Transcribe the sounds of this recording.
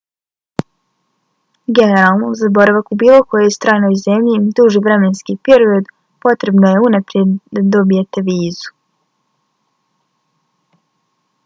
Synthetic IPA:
ɡe̞ne̞ɾalˠnozabo̞ɾaʋakubiːlo̞ko̞jo̞jst̪ɾaːno̞jzemʎid̪uʒiʋɾe̞me̞nskipe̞ɾio̞d̪ | po̞t̪ɾe̞bnoje̞unapɾje̞d̪d̪ad̪o̞bije̞t̪e̞ʋiːzu̥

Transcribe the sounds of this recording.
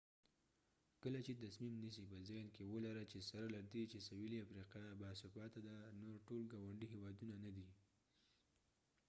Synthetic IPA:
kəlat͡ʃet̪asmimnisipəzɑjnkewəlaɾat͡ʃesaɾalaɾd̪et͡ʃesawiliafɾiqɑbasʊfɑt̪ad̪anoɾʈolɡɑwaɳɖiɦewɑd̪unanad̪i

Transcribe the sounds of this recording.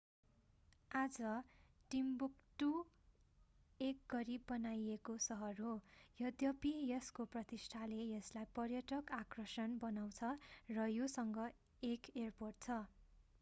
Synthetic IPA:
ad͡zʌʈimbukʈu | ek̚ɡʌɾibːʌnajekosʌɦʌrɦojʌd̪jʌpijeskoprʌt̪isʈʰalejʌslajpʌrjʌʈʌkakrʌsʌnbʌnaw̃t͡sʰʌrʌjosʌŋɡʌ | ekerporʈ̚t͡sʰʌ

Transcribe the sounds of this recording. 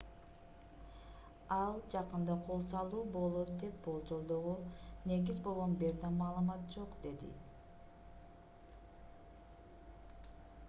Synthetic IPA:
ɑlˠd͡ʒɑqɯnd̪ɑqʰo̞lˠsɑlˠuːbo̞lˠo̞t̪d̪e̞p̚bo̞lˠd͡ʒo̞lˠd̪o̞ʁune̞ɡizbo̞lˠʁonbe̞ɾd̪ɑmɑːlˠɯmɑt̪̚d͡ʒo̞qd̪e̞d̪ḭ

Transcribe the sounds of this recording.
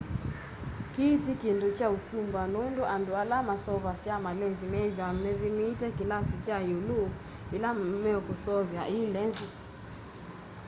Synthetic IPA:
kiːtikindut͡ʃausumbanɔnduʔandualamasɔβasiamalɛnzimɛvjamɛðimitɛkilasit͡ʃajulu | ilamɛɔkusɔvjaʔilɛnzi

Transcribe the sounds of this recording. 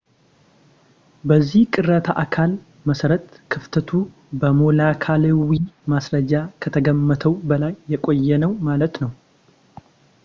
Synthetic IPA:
bəzːihkʼɨrət̪ʰaʔakʰal | məsəɾət̪kʰɨft̪ʰət̪ʰu | bəmo̞lakʰaləwimasɾəd͡ʒakʰət̪ʰəɡəmːət̪ʰəwbəlajːɛkʼo̞jːɛnəwmalət̪nəw

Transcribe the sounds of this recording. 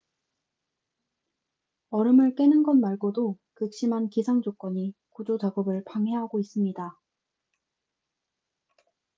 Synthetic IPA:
ʌɾɯmɯɭk͈e̞nɯnɡʌnmaɭɡodo | kɯk̚ɕ͈imɦankisʰaŋd͡ʑok͈wʌɲikud͡ʑot͡ɕaɡʌbɯɭpaŋɦe̞ɦaɡois͈ɯmɲida

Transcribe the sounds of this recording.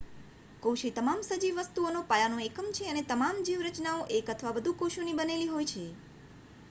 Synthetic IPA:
kowʃit̪əmamsəd͡ʒiʋːəst̪uonopəɭanoekəmt͡ʃʰeənet̪əmamd͡ʒiʋɾət͡ʃnaoʔekət̪ʰʋabəd̪ʱukoʃunibəneliɦojt͡ʃʰe

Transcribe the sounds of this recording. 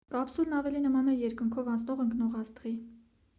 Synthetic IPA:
ɑpsulnɑvɛlinəmɑnɛjɛɾkəŋkʰɔvɑnt͡sʰnɔʁəŋknɔʁɑst̪ʁi

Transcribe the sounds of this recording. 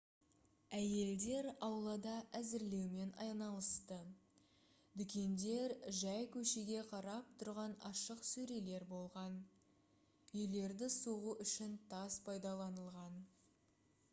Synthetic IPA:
æje̞ld̪e̞ɾɑwlˠɑd̪ɑʔæzɪɾle̞wme̞nɑ̰jnɑlˠəst̪ə | d̪ʏkʲe̞nd̪e̞ɾʒæjkʲʰɵʃe̞ɡʲe̞qʰɑɾɑp̚t̪ʰʊɾʁɑnɑʃəqsɵɾe̞le̞ɾbo̞lˠʁɑn | ɵjle̞ɾd̪ɪsoʁuʔʏʃɪnt̪ʰɑspʰɑjd̪ɑlˠɑnəlˠʁɑn

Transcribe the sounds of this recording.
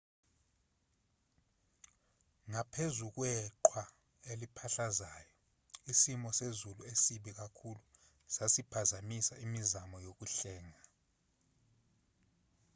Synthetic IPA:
ŋapʰezuk̬wɛǃʰwa | elipʰaɬazaːjɔ | isimɔsezuluesiɓik̬akʰulu | sasipʰazamisaimizamɔjok̬uɬɛːŋa

